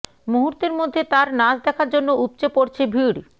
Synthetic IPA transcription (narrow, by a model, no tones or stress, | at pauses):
muɦuɾt̪eɾmod̪ʱːet̪aɾnad͡ʑd̪ɛkʰaɾd͡ʑonːoupt͡ɕepoɾt͡ɕʰebʱiɽ